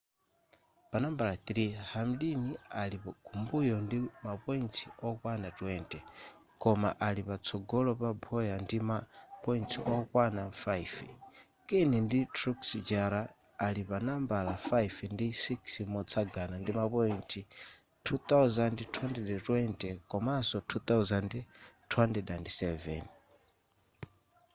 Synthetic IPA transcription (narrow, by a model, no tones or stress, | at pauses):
panambalaθɾihamdinialipɔɡʰumbujɔndimapɔintʰiɔkwanatwɛntɛ | kɔma̰ʔalipat͡sʰɔɡɔlɔpabʱɔjandimapɔintʰiʔɔkwanafajf | kɛninditʰɾuksd͡ʒaɾaː | lipanambalafaifndisikʰsimɔt͡sʰaɡanandimapɔintʼʰi | tʰut̪awzandtʰwɛndɛdɛtʼwɛntʼɛkɔmasɔtʰut̪awzandtʰwɛntɛdandsɛvɛ̰n